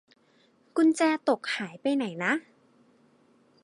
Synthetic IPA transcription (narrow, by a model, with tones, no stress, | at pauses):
kʰu˧nt͡ɕɛː˧t̪o˨˩k̚haː˩˦jpa˧jna˩˦jna˦˥